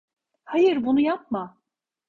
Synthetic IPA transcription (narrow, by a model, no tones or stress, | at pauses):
hajɯɾbunujap̚ma